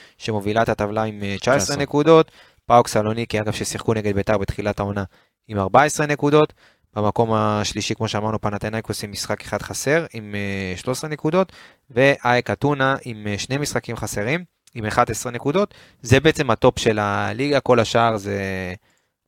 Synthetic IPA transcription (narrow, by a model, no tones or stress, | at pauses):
ʃe̞mo̞vilaet̪at̪avlaimt͡ʃaesʁenekud̪o̞t̪ | paoksalo̞nikiaɡavʃesiχkune̞ɡed̪bet̪aʁbet̪χilat̪ao̞na | imaʁbae̞sʁe̞ne̞kud̪o̞t̪ | b̥emako̞maʃliʃikmo̞ʃeamaʁnupanat̪enajkusimːisχakeχad̪χase̞ʁimeʃlo̞sʁene̞kud̪o̞t̪ | ve̞ʔaekat̪unaʔimʃne̞misχakimχase̞ʁim | imeχad̪esʁene̞kud̪o̞t̪ | zebeet͡se̞mhat̪o̞pʃe̞laliɡako̞laʃaːʁze